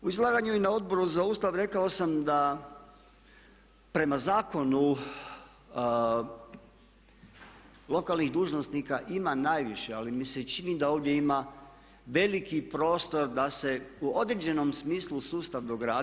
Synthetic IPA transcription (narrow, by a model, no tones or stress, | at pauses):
uizlˠaːɡaɲuinao̞d̪̚bo̞ɾuzauːst̪aʋɾe̞kaosamd̪a | pɾe̞mazaːko̞nu | lo̞kalˠniɣd̪uːʒno̞st̪nikaʔimanaːjʋiʃealimiset͡ʃinid̪ao̞ːʋd̪je̞ima | ʋe̞likipɾo̞ːst̪o̞ɾd̪ase̞uo̞d̪ɾed͡ʑe̞no̞msmiːslˠusuːst̪aʋd̪oɡɾaː